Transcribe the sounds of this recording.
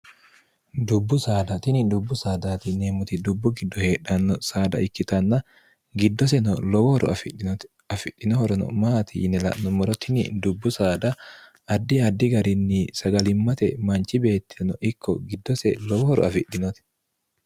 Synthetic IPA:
d̪ʊbːʊsaːd̪ɐt̪ɪnɪd̪ʊbːʊsaːd̪aːt̪ɪneːmʊt̪ɪd̪ʊbːʊɡɪd̪ːɔhe̞ːᶑɐnːɔsaːd̪ɐ̰ʔɪkːɪt̪ɐnːɐ | ɡɪd̪ːɔsɛnɔlɔwɔɾɔ̰ | ɐfɪᶑːɪnɔhɔɾɔnɔ̰maːt̪ɪʔɪ̰nɛlɐ̰ʔnɔmɔɾɔt̪ʰɪnɪ̰d̪ʊbːʊsaːd̪ɐ | ɐd̪ːɪɐd̪ːɪɡɐɾɪnːisɐɡɐlɪmːɐt̪ɛmɐnt͡ʃɪbe̞ːt̪ːɪ̥nɔʔɪkʰːɔɡɪd̪ːɔsɛlɔwɔɾɔ̰ɐfɪᶑːɪnɔt̪ɪ̥

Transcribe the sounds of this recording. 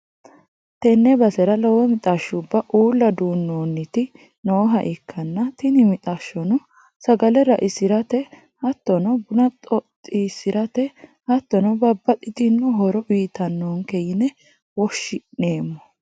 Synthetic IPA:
t̪ɛnːɛbɐsɛɾɐlɔwɔmɪt̪ʼaʃːʊbːɐʔuːlːɐd̪uːnːoːnːɪt̪ɪ | nowɔɦɐ̰ʔɪkʰːɐnːɐt̪ɪnɪmɪt̪ʼaːʃːɔnɔ | sɐɡɐlɛɾɐʔɪsɪɾɐt̪ɛ | hɐt̪ːɔnɔbʊnɐt̪ʼɔt̪ʼːisɪɾɐt̪ɛ | hɐt̪ːɔnɐbɐbːɐt̪ʼɪt̪ɪnːɔɦɔɾɔbiːt̪ɐnːoŋkejɪnɛ | wɔʃːɪeːmːɔ

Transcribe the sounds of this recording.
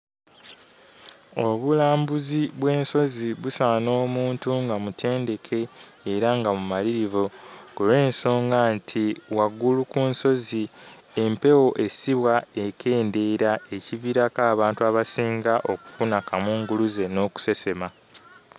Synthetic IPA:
o̞βulaːmbuziβwe̞ːnso̞ziβusaːno̞ːmuːntuŋɡamutʰe̞ːnde̞kʰe̞ː | ɾaŋɡamumaliɾivo | ɡule̞ːnso̞ːŋɡantʰiwaɡulukuːnso̞zi | e̞mpe̞wo̞ʔe̞siβwae̞kʰe̞ːnde̞ɾae̞civiɾakaːβaːntuaβasiːŋɡaʔo̞ku̥funakamuːŋɡuluze̞no̞ku̥se̞se̞ma

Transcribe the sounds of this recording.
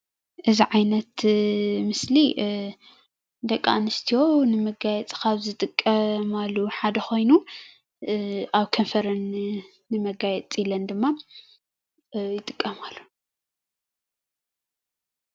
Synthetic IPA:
ʔɨziʕajnɐt̪mɨsli | d̪ɐkʼːa̰nɨst̪ʰijo̞nɨmɐɡajɛt͡sʼkʰaβzɨt̪ʼɨkʼːɐmalːuħad̪ɐxo̞jnu | aβkʰɐnfɐɾɐnː | ɨmɐɡajɛt͡sʼilɐnd̪ɨmːa | jɪt̪ʼɨkʼːɐmalːu̥

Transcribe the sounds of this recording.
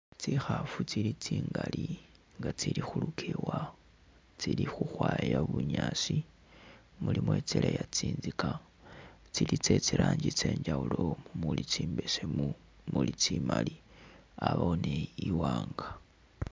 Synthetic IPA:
t͡sixafut͡silit͡siːŋɡali | ŋɡat͡silixulukʰewa | t͡silixuxwaːjaβuɲaːsi | mulimwe̞t͡selejat͡siːnzika | t͡silit͡se̞t͡siɾaːɲɟit͡se̞ːɲd͡ʒaulomumulit͡siːmbesemu | mulit͡simaliaβaoneiwaːŋɡa

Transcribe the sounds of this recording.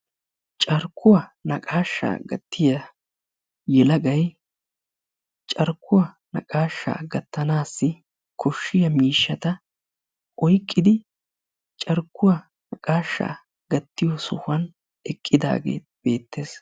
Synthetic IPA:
t͡ʃʼɐɾkːʊwɐnɐkʼaːʃːa̰ːɡɐt̪ːɪjɐ | jɛlɐɡɐj | t͡ʃʼɐɾkːʊwɐ | nɐ̰kʼaːʃːa̰ːɡɐt̪ːɐnaːsːɪ | kʰɔʃːɪjɐmiːʃːɐt̪ɐ | ɔjkʼːɪd̪ɪ | t͡ʃʼɐɾkːʊwɐ | nɐkʼaːʃːa̰ː | ɡ̥ɐt̪ːɪjɔsʊhɐn | ɛkʼːɪd̪a̰ːɡe̞̰ː | b̥e̞ːt̪ːe̞ːs

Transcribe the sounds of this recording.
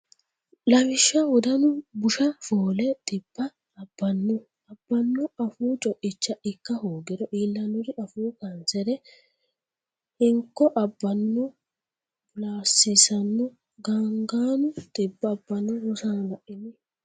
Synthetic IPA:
lɐwɪʃːɐwɔd̪ɐnʊbʊʃɐfoːlɛt̪ʼɪb̥ːɐː | b̥ːɐnːʊ | ɐb̥ːɐnːʊɐfuːt͡ʃʼɔʔɪt͡ʃːɐʔɪkːɐhoːɡɪɾɔʔiːlːɐnʊɾɪʔɐfuːkɐnt͡sɛɾɛ | hɪŋkːɔʔɐbːɐnːʊ | bʊlaːsːɪsɐnːʊ | ɡaŋɡaːnʊt̪ʼɪbːɐːbːɐnːʊwʊsanlɐʔɪmɪ

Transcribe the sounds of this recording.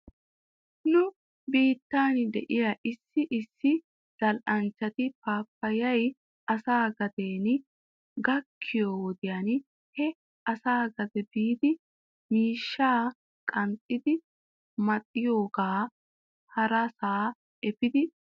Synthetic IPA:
nʊ | biːt̪ːaːnd̪ɛʔɪjɐʔɪsːɪʔɪsːɪ | d̪̥ɐlʔɐnt͡ʃːɐt̪ɪpaːpːɐjɐj | ʔɐsaːɡɐd̪eːn | ɡɐkʰːɪjoːwɔd̪ɪjan | hɛ | ɐsaːɡɐd̪ɛbiːd̪ɪ | miːʃːaː | kʼɐntʼːɪd̪ɪ | mɐt̪ʼːɪjoːɡaː | hɐɾɐsaː | ɛpɪd̪ɪ

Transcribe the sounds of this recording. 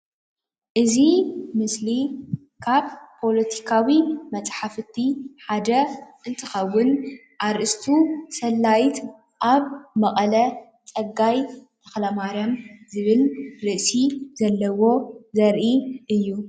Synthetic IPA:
ʔɨzimɨsli | kʰaβpʰːo̞lɐt̪ʰi̥kʰawimɐt͡sʼħafɨt̪ʰːiħad̪ɐʔɨnt̪ʰɨxɐwːʊn | ʔaɾʔɨst̪ʰusɐlːajt̪ | ʔaβmɐχʼɐlɐ | t͡sʼɐɡːajt̪ʰɐ̥xlɐmaɾɐmzɨβɨlɾɨʔsizɐlːɐwo̞zɐɾʔiʔɨjːu

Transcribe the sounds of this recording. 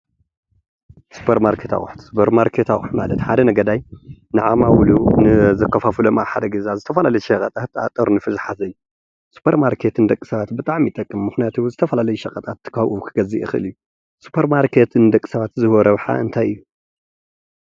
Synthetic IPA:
su̥pʰɐɾmaɾkʰet̪ʰa̰xʼʊħt̪su̥pʰɐɾmaɾkʰet̪axʼṵħmalɐt̪ħad̪ɐnɐɡɐd̪ajnɨʕamawlunɨzɐkʰːɐfafɨlomaβħad̪ɐɡɐzazɨt̪ʰɐfɐlalɐjʃɐkʼɐt̪ʼat̪a̰t̪ʼɐɾnɨfɨzħazɐjːu | su̥pʰɐɾmaɾkʰet̪ʰɨnd̪ɐkʼːi̥sɐβat̪bɨt̪ʼaʕmit̪ʼɐkʼːɨmːɨxnijat̪ʰozɨt̪ʰɐfɐlalɐjuʃɐkʼɐt̪ʼat̪ʰːɨ̥kʰaʔukʰɨɡɐziʔɨ̰xɨɨ̰lɨjːu | su̥pʰɐɾmaɾkʰet̪ʰɨnd̪ɐkʼːi̥sɐβat̪zɨhwoɾɐβħa̰ʔɨnt̪ʰajɨjːu

